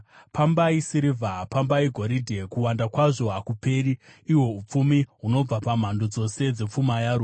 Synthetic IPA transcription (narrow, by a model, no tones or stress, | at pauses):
pambaisiɾivʱapambaiɡʱo̞ɾidʱekuwandakwaʐo̞ɦakupe̞ɾiːwo̞up͡fumiɦuno̞b͡vapam̤andod͡zo̞se̞d͡ze̞p͡fumajaɾua